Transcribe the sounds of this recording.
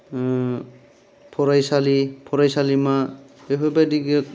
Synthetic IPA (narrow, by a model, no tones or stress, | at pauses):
pʰɔɾajsalipʰɔɾajsalimaeɦɔbadiɡe